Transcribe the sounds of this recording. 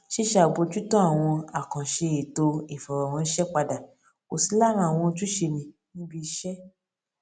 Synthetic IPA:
ʃe˦ʃa˨ɡ͡bo˧d͡ʒu˦tɔ̃˦a˦˨w̃ɔ̃˧a˨kã˨ʃe˧i˨to˧i˨fɔ˨ɾɔ˨w̃ɔ̃˧n̩˦ʃɛ˦k͡pa˧da˨ | o˨si˨˦la˦˨ɾ̃ã˧˦a˨w̃ɔ̃˧tu˦ʃe˧mĩ˧ | nĩ˦bi˦˧˦ʃɛ˦

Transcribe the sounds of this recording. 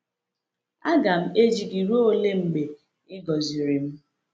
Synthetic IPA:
a˦ɡa˨m̩˦e˦d͡ʒi˨ɡi˨ɾo˦o˦le˦m̩˦˨ɡ͡be˨ | ɪ˦ɡɔ˨zi˨ɾi˨m̩˦

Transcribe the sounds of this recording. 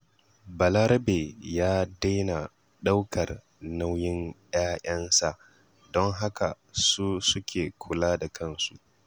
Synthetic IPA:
bɐ˨lɐ˦ɾbe˨jaː˦da˦jna˨ | ɗa˦wkʰɐ˨r | na˦wjɪ˦nj̰aː˦ʔɐ˦nsa˨ʔ | dɔ˦ŋɦa˦ka˨ | suː˦sʊ˦kʲʰeː˨kʷʰʊ˨laː˦da˨kʰɐ˦nsu˨ʔ

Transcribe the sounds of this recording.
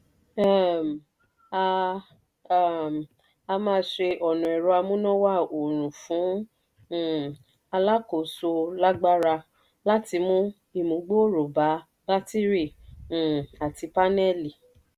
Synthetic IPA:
m˨˧˨ | a˧mãː˧˦ʃe˧ʔɔ˨nũ˨ɛ˨ɾɔ˧a˧mũ˦nɔ̃˦wa˦˨o˨ɾ̃ũ˨fũ˨˦˨ | a˧la˦ko˨so˧la˦ɡ͡ba˦ɾa˧ | la˦ti˧mũ˦ | i˦˨mũ˨˦ɡ͡bo˦˨ɾo˨ba˨˦ | b̥a˦ti˦ɾĩ˦˨ | a˨ti˨˧pa˦nɛ˦˨li˨

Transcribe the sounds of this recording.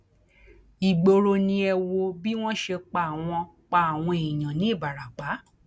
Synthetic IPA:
i˨ɡ͡bo˧ɾo˧nĩ˧ɛ˧wo˧bi˦w̃ɔ̃˦ʃe˧k͡pa˧˨w̃ɔ̃˧ | k͡pa˧a˨w̃ɔ̃˧e˨ĩ˨j̃ã˨nĩ˨˦i˦˨ba˨ɾa˨k͡pa˨˦

